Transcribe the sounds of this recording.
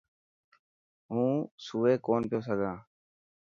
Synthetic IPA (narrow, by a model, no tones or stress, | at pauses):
ɦũːsuːʋeːkoːnpjoːs̬əɡʱãː